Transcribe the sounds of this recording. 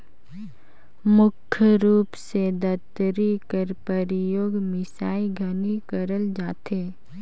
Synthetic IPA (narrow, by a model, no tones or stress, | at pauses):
mʊkʰːəɾuːpsed̪ət̪ɾikəɾpəɾɪjoːɡmɪsaːiɡʱɐnikəɾəld͡ʒaːt̪eː